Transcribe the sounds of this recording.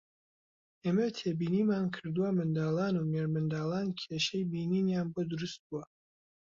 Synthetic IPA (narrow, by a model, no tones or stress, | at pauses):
eːmɐt̪ʰebiːniːmaːnkʰɨɾd̪uwamɨnd̪aːlˠɑːnumeɾmɨnd̪aːlˠaːnkʰeːʃɛjbiːniːnjaːnbod̪ʊɾust̪̚buwɐ